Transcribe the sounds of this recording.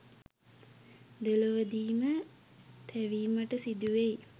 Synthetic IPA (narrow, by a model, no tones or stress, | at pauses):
d̪eloʋəd̪iːmə | t̪ʰæʋiːməʈəsid̪uʋej